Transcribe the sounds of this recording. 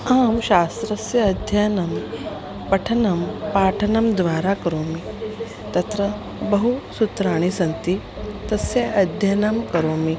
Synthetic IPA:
aːmɕast̪ɾɐsjɐːd̪ʱjanɐm | pɐʈʰɐnɐmpaːʈʰɐnɐmd̪ʋaːɾakɐɾoːmi | t̪ɐt̪ɾə | bɐɦusut̪ɾaːɳ̃isɐnt̪i | t̪ɐsjɐʔɐd̪ʱjanɐmkɐɾoːmi

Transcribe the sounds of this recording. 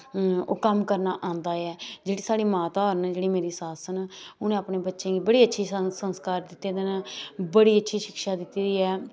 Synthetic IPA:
o̰ːkəmkəɾnaːʔãːnd̪aːɛːd͡ʒeːɽiːsaːɽiːmaːt̪aːɦəɾnːd͡ʒeːɽiːmeːɾiːsaːsənʊnẽːaːpneːbətːʃẽːɡiːbəɽiːətːʃʰiːsənskaːɾd̪ɪt̪ːeːd̪ənːbəɽiːətːʃʰiːʃɪkʃaːd̪ɪt̪iːd̪iːɛː

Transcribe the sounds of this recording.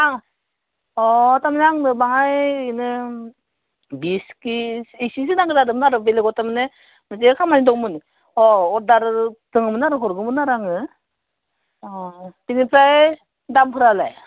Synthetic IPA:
aŋ | ɔtamnaŋnɯbaŋajinɯ | biskiisis̬ɯnaŋɡɯdadɯmnaɾɯbeleɡɔtamɯne | mɯzekʰamanidɔŋmɯn | ɔɔdaɾtɯŋɯmɯnaɾɯkʰɔɾɡɯmɯnaɾaŋɯ | tiŋipʰaj | dampʰɯɾalaj

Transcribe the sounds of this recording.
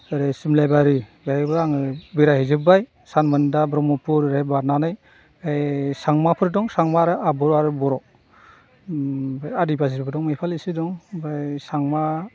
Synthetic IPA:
aɾɯsimlajbaɾiɡajbaŋɯbiɾahizɯbaj | sanmɯndabɾɔmɔpʰuɾɾajbaɾnanɯj | ajsaŋmapʰɯɾdɔŋsaŋmaɾɯʔabɔɾaɾɯbɔɾɔ | bajadipazippʰɯdɔŋmɯjpʰalisidɔŋbajsaŋma

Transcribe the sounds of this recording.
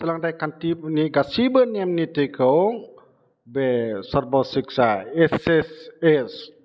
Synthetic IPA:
səlaŋdajkant̪ibniɡasibənɛmnit̪ikʰəwŋ | bɛsərbɔsiksaɛsɛsɛs

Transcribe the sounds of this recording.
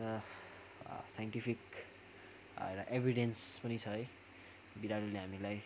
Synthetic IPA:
ʌ | sajɳʈipʰik | eɾaʔebʱiɽenspʌnit͡sʰʌɦʌj | biɾaɽuleɦamilaj

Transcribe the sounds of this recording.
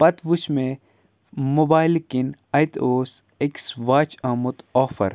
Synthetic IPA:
pɐt̪ʋuʃmẽ | mobaːjlkinɐjt̪oːs | eksʋaːt͡ʃɐmut̪ɔːfɐ̰ɾ

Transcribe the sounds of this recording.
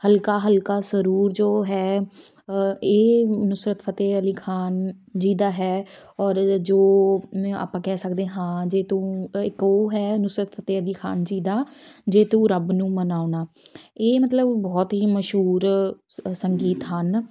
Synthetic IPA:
həlkaːɦəlkaːsəɾuːɾd͡ʒoːɦɛː | eːnʊsɾət̪pʰət̪eːəliːkʰaːn | d͡ʒiːd̪aːɦɛːɔːɾd͡ʒoː | a̰ːpãːkɛːsəkd̪ẽːɦãːd͡ʒeːt̪ũːɪkoːɦɛːnʊsɾət̪pʰət̪eːəliːkʰa̰ːnd͡ʒiːd̪aːd͡ʒeːt̪ũːɾəbnũːmənaːʊnaː | eːmət̪ləbːɔːt̪ɦiːməʃɦuːɾ | səŋɡiːt̪ɦən

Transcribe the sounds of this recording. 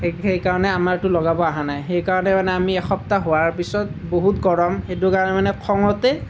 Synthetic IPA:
xejkaɹɔnɛamaɹtʊlɔɡabɔaɦanajxejkaɹɔnɛmanɛamiɛxɔp̚taɦowaɹpisɔt̚boɦutɡɔɹɔmxet̬ʊkaɹɔnɛmanɛkʰɔŋɔtɛ

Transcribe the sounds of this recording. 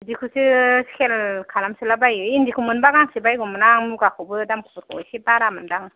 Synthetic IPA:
dikʰusɯskʰelkʰalamsɯlabajɯindikʰumɯnbaɡaŋsibajɡɔmɯnaŋmuɡakʰɔwbɯdamkʰɯ̥bɯɾkʰɔwa̰jsebaɾamɯndaŋ

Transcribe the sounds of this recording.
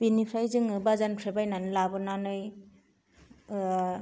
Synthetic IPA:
b̥inipʰɾajzɯŋɯbazanpʰɾebajnanɯlabɯnanɯj

